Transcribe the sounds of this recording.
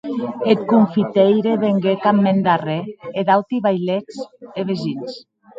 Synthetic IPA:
et̪̚kuɱfit̪ejɾeβeŋɡekamːend̪areed̪awt̪iβajlet͡seβezins

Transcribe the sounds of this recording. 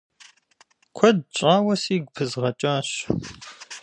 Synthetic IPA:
kʷʰɐd̚ɕʼaːwɐsiːɡ̚ʷpʰɨzʁɐt͡ʃʼaːɕ

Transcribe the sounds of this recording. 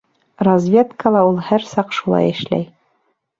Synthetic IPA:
rɐzvʲe̞t̪kəlˠɑulˠhæɾsɑqʃulˠɑ̰jɘ̆ʃlæ̰j

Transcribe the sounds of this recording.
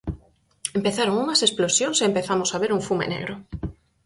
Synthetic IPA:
empeθaɾoŋunasesplosjonsempeθamosaβ̞eɾuɱfumḛnḛɣɾo

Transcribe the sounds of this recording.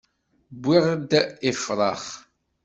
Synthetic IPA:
bːiʁd̪ifɾˤɑχ

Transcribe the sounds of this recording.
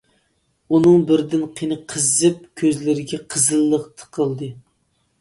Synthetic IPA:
unɨŋbɪɾd̪ɪnqʰinɨqʰəzɨp̚kʲʰøzlɪɾɪɡʲɛqʰəzɨlˠːəqt̪ʰə̥qʰəlˠd̪ɨ

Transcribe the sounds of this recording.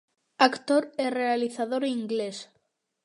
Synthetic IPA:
akt̪oɾerealiθaðoɾiŋɡles

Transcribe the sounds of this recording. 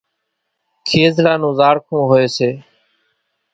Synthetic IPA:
kʰeːzlãːnũːzaːɾkʰũːɦoːeːseː

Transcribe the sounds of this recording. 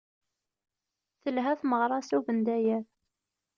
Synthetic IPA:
θəlɦæθməʁɾˤɑsuvənd̪æjæɾ

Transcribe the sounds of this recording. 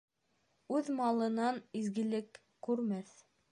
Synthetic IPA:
ʉðmɑlˠɤ̆nɑnizɡɘ̆lɘkː | ʉɾmæθ

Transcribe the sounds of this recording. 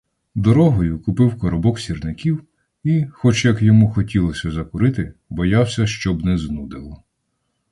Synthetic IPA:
d̪ɔɾɔɦɔjʊkʊpɪwkɔɾɔbɔksʲirnɪkʲiw | ixɔt͡ʃjɐkjɔmuxɔtʲilˠɔsʲɐzɐkʊɾɪt̪ɪbɔjɑwsʲɐʃt͡ʃɔbnɛznud̪ɪlˠɔ

